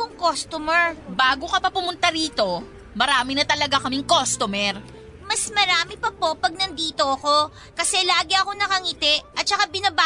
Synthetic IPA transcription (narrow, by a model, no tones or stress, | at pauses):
oŋkost̪omɛɹbaːɡokɐpɐpʊmʊnt̪aɾiːt̪o̞ | mɐɾaːmɪnɐt̪ɐlɐɡakɐmɪŋkost̪omɛɾ | mɐsmɐɾaːmɪpɐpo̞pɐɡ̚nɐnd̪iːt̪o̞ʔɐko̞ | kɐsɛlaːɡɪʔɐko̞nɐkɐŋɪt̪ɛʔɐt̪̚t͡ʃɐkabɪnɐba